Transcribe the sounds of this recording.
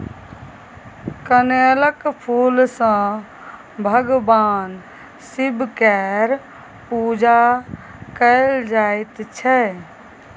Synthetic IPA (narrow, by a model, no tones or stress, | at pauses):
kəneləkpʰuːlsə̃ | bʱəɡbaːn | sibʱkɛɾ | pud͡ʒa | kəɪld͡ʒaɪt̪t͡ʃʰɛ